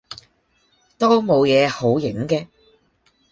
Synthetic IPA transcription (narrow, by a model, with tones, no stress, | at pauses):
t̪o˥wmo˨˧wjɛː˨˧ho˨˥wjɪ˨˥ŋkɛː˧